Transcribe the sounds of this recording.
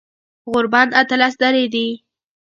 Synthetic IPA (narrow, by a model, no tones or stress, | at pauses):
ɣʊɾbɑnat̪alasd̪aɾed̪i